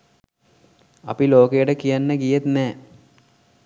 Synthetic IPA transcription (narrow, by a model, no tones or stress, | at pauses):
ɐpiloːkejəʈəkijanːəɡijet̪nɛː